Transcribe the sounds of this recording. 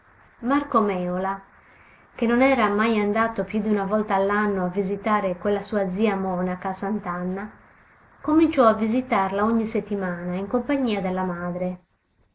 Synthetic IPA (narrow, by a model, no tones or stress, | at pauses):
markomɛːola | k̟enonɛːɾamajand̪aːt̪opjud̪iunavɔlt̪aːlːanːoavizit̪aːɾekwelːasuːad̪ziːamɔnakasant̪anːa | komint͡ʃɔavːizit̪arlaoɲːiset̪ːimaːnaiŋkompaɲːiːad̪elːamaːd̪ɾe